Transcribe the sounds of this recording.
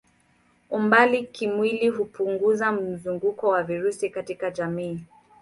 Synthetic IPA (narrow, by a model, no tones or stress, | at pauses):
umbalikimwiliɦupuŋɡuzam̩zuŋɡukɔwaviɾusikatikaʄamiː